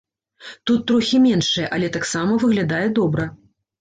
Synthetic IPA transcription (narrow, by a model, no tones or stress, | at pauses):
t̪ut̪ːɾɔxʲimʲɛnʂɨjɛʔɐlʲɛt̪aksamɐvɨɣlʲad̪ajɛd̪ɔbɾɐ